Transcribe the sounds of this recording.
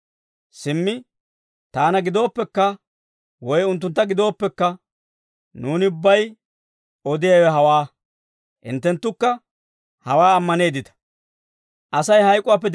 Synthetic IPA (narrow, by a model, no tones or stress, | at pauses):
sɪmːɪ | t̪aːnɐɡɪd̪o̞ːpːɛkːɐ | wɔjʊnt̪̬ːʊnt̪ːɐɡɪd̪o̞ːpːɛkːɐ | nuːnɪʊbːɐj | ɔd̪ɪjɐwɛɦɐwaː | ʔɪ̰nt̪ːɛnt̪ːʊkːɐ | hɐwaːɐmːɐne̞ːd̪ɪt̪ɐ̥ | ʔɐsɐjhɐjkʼʊaːpːɛd̪